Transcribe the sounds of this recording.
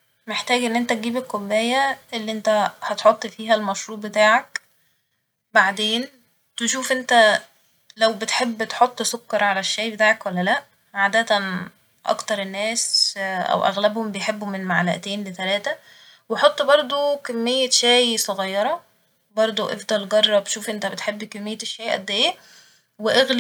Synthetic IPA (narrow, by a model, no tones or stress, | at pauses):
meħt̪æːɡʔenːʔent̪æt̪̚ɡiːbekːobːæːjæʔelːiʔent̪æhɑt̪ħot̪ˤːfiːɦælmɑʃɾuːʔbet̪aːʕak | baʕd̪eːn | t̪eʃuːfʔent̪æ | læwbet̪ħebːt̪ħot̪ˤːsokːɑɾˤʕalæʃːæːjbet̪aːʕakwælːælæʔ | ʕaːd̪æt̪æn | ʔɑ̰kt̪ɑɾˤenːæːsʔæ̰wʔæ̰ɣlæbhombejħebːomenmaʕlæʔt̪eːnlet̪ælæːt̪æ | weħot̪ˤːbɑɾˤd̪ˤokæmːejːæʃæːjsˤoɣɑjːɑɾˤɑ | bɑɾˤd̪ˤoʔḛfd̪ˤɑlɡɑrˤːɑb̪ʃuːfʔent̪æbet̪ħebːkæmːejːæʃːæːjʔæ̰d̪ːejːæ | weʔeɣl